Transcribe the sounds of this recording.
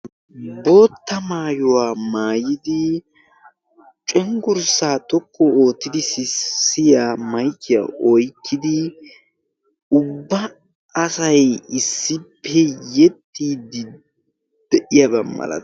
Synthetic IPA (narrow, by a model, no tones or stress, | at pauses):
bo̞ːt̪ʰːɐmaːjɔwaːmaːjɪd̪ɪ | t͡ʃʼɛŋɡʊɾsaːt̪ɔkːɔoːt̪ːɪd̪ɪsɪːɪjaːmɐjkʰːɪja̰ʔɔjkʰːɪd̪ɪ | ʊbːɐ | ɐsɐjɪsːɪpʰːɛjɛt̪ːiːd̪ɪ | d̪̥ɛʔɪjɐbɐmːɐ̰lɐ̰d̪